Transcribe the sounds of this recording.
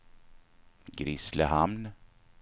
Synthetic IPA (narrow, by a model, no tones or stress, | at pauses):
ɡɾɪsləɦamn